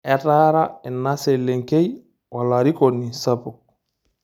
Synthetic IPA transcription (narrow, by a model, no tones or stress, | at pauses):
ɛtaɾaɛnːaseleŋkej | walaɾikonːisapuk̚